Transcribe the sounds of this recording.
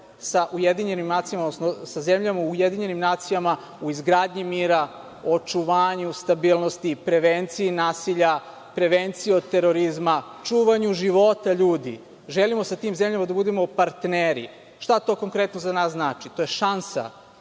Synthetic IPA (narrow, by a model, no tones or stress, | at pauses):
saʔujed̪iɲe̞nimnaːt̪sijamaod̪nosnosazemʎamaujed̪iɲe̞nimnaːt̪sijama | uizɡɾaːd̪ɲimiːɾa | o̞t͡ʃuʋaːɲust̪abiːlˠnost̪ipɾe̞ʋent̪siinaːsiʎa | pɾe̞ʋent̪siiod̪̚t̪eɾoɾizma | t͡ʃuːʋaɲuʒiʋo̞t̪aʎuːd̪ḭ | ʒelimo̞sat̪iːmzemʎamad̪abud̪emo̞paɾt̪neːɾḭ | ʃt̪at̪o̞ːko̞ŋkɾe̞t̪nozanaːsznaːt͡ʃit̪o̞jeʃansa̰